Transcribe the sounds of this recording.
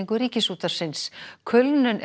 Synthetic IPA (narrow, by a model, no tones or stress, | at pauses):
ŋkʏɾiːcɪsuːt̪aɾ̥sɪnskʰʏlnʏnʔ